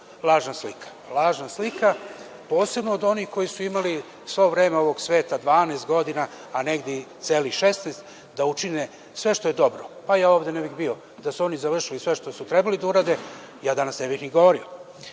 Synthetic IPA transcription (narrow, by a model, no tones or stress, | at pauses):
lˠaːʒnaslikʰḁlˠaːʒnaslika | po̞ːse̞bnoːd̪o̞nixko̞jisuimali | sʋoʋɾeːmeo̞ʋo̞ɡsʋe̞ːt̪ad̪ʋaːneːst̪ɡo̞d̪inaː | neɡd̪et̪seːlixʃe̞snest̪ | d̪aut͡ʃine | sʋe̞ʃt̪o̞je̞d̪o̞bɾopajaːo̞ːvd̪enebixbio̞ | d̪asuo̞nizaʋr̩ʃilisʋe̞ʃt̪osut̪ɾebalid̪auɾaːd̪e̞ | jaːd̪anasnebixniɡo̞ʋoɾio